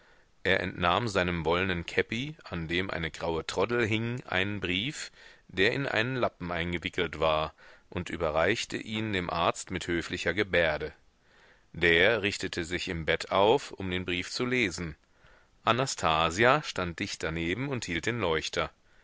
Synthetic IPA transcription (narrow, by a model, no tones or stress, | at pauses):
ʔeːɐʔɛ̰ntnaːmzaɪnənvɔlənənkʰɛpiʔandeːmʔa̰ɪnəɡʁaʊətʁ̥ɔdl̩ɦɪŋʔa̰ɪnənbʁiːfd̥eːɐʔɪnʔa̰ɪnənlapm̩ʔaɪnɡəvɪkl̩tv̥aːɐʔʊntʔy̰ːbɐʁaɪçtʰə̰ʔiːndeːmʔaɐt͡stmɪthøːflɪçɐɡəbeːɐdə | d̥eːɐʁɪçtətʰəzɪçɪmbɛtʰaʊfʊmdeːnbʁiːft͡suleːzn̩ | ʔanastʰaːziaʃtant̚d̥ɪçt̚d̥aneːbm̩ʊnthiːlt̚d̥eːnlɔʏçtʰɐ